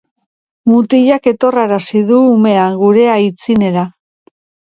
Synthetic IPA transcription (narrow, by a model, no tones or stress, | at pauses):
mut̪iʎake̞t̪o̞raɾasiðuːme̞aŋɡuɾe̞ajt͡sine̞ɾa